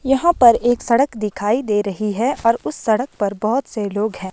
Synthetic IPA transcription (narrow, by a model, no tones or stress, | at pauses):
jɐɦãpɐɾeːksɐɽəkd̪ɪkʰaːid̪eːɾɐɦiɦɛɔːɾʊsːɐɽək̚pɐɾbɔɦʊt̪seloːɡɦɛ̃ː